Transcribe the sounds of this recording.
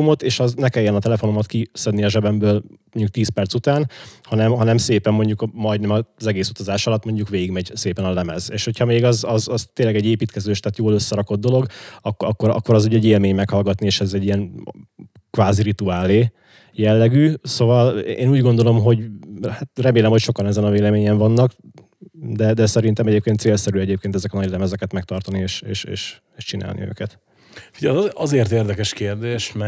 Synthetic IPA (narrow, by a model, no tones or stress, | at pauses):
umo̞t̪eːʃɒznɛkɛjːɛnɒt̪ɛlɛfo̞no̞mɒt̪kisɛd̪niɒʒɛbɛmbøːlmoɲɟuk̚t̪iːspɛrt̪sut̪aːnhɒnɛmɦɒnɛmseːpɛmːo̞ɲɟukmɒjd̪nɛmɒzɛɡeːsut̪ɒzaːʃɒlɒt̪ːmo̞ɲɟukʋeːɡiɡmɛɟseːpɛnɒlɛmɛzeːʃho̞cʰhɒmeːɡɒzɒzzt̪eːnlɛɡɛɟːeːpiːt̪kɛzøːʃt̪aːt̪joːlø̞sːɛɾɒko̞d̪̚ːo̞lo̞ɡɒkːɒ̰kːoɾɒ̰kːo̞ɾɒzuːɟɛɟeːlmeːɲmɛkhɒlɡɒt̪nieːʃɛzɛɟːiɛn | kvaːziɾit̪uaːleː | jɛlːɛɡyso̞vɒlḛːnuːɟɡo̞nd̪o̞lo̞mɦo̞ɟhat̪rɛmeːlɛmhocʃokɒnɛzɛnɒveːlɛmeːɲɛɱvɒnːɒɡ | d̪ɛd̪ɛsɛɾint̪ɛmɛɟeːp̚keːnt̪seːlsɛɾyɛɟeːp̚keːnt̪ɛzɛkɒnɒɟlɛmɛzɛkɛt̪mɛk̚t̪ɒrt̪ɒnieːʃḛːʃḛːʃ | eːʃt͡ʃina̰ːlnḭø̰ːkɛt̪ | fiɟɛzʔɒzeːrt̪eːrd̪ɛkɛʃkeːrd̪eːʃmɛ